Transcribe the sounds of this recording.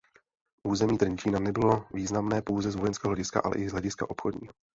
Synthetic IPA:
ʔuːzɛmiːd̪rɲt͡ʃiːnanɛbɪlo̞viːznamnɛːpo̞wzɛzvojɛnskɛːoɦlɛɟɪska̰ʔa̰lɛ̰ʔɪzɦlɛɟɪska̰ʔo̞pxodɲḭːo

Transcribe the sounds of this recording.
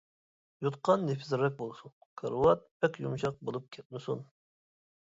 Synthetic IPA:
jut̪qʰɑnːefɪzɪɾːɛk̚ʲbolˠsunkʰəɾwɑt̪̚pʰɛkʲjumʃɑq̚bolˠup̚kʲʰɛt̪̚mɪsun

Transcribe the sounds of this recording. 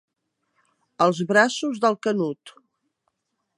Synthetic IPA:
əlˠzβɾasuzðəlˠkənut̪

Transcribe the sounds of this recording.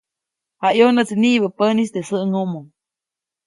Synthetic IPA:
hajonət͡sniʔβəpənisd̪esəʔŋomoŋ

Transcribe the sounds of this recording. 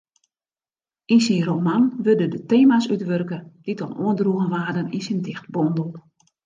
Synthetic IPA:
insinromanʋødədəteːmasytʋørkəd̥itɔnuəndruəɣənʋaːdəninsindɪxtbɔndəl̩ˠ

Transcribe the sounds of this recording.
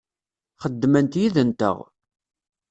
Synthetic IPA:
χəd̪ːmənt̪jiðənt̪ə̰ʁ

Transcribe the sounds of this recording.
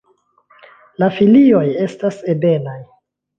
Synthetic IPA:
lafilio̞je̞stasebe̞laj

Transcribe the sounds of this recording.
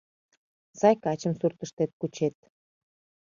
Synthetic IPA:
z̥ɑjkɑt͡ɕəmsurt̪əʃt̪et̪̚kut͡ɕet̪̚

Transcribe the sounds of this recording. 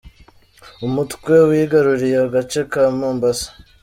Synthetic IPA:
umutkwe̞wiːɡaɾuɾijaaɡat͡ʃe̞kamuːmbasḁ

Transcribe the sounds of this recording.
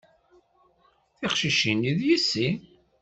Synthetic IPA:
θiqʃiʃiniðjisːi

